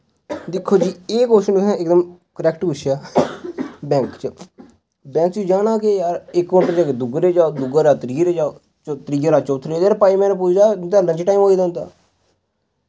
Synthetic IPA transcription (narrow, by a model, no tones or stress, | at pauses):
d̪ɪkʰːoːd͡ʒiːeːkoːʃənʊsʰãːɪkd̪əmkəɾɛːkʈpʊt͡ʃʰaː | bɛ̃ːŋkt͡ʃə | bɛ̃ːŋkt͡ʃud͡ʒaːnaːkejaːɾɪkːʊʈəd͡ʒaːked̪ʊɡɾeːd͡ʒaːd̪ʊɡəɾaːt̪ɾiːɾeːd͡ʒaː | t͡ʃt̪ɾiːəɾaːt͡ʃoʊt̪ʰːɾeaːɾpaːimɛ̃ːnẽp̬ʊt͡ʃʰd̪aːt̪aːɾlə̃ɲt͡ʃʈaːiːmɦoːiːd̪aʊ̃nd̪a̰ː